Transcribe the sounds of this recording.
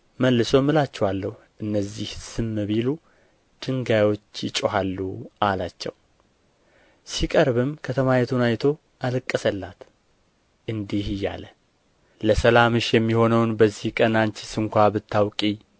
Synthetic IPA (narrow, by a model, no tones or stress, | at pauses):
məlːɨso̞mɨlat͡ʃːɛwalːəhuʔɨnːəzːihsɨmːəβilu | d̪̥ɨŋɡajwo̞t͡ʃːjɪt͡ʃʼoɦalːuʔalat͡ʃːɛ̰w | sikʼəɾβɨmkʰət̪ʰəmajɛt̪ʰunajt̪ʰo̞ | ʔalɨkʼːəsəlːat̪ | ʔɨnd̪ihɪjːa̰lə | ləsəlamɨʃjɛmːiho̞nəwnbəzːihkʼənant͡ʃɪsɨŋkʷabɨt̪ʰːawkʼi